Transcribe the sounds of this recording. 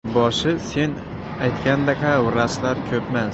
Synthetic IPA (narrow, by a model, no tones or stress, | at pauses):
bɒʃɪse̞n | ajt̪kʲand̪akʰaɾaslaɾkʲʰɵpmas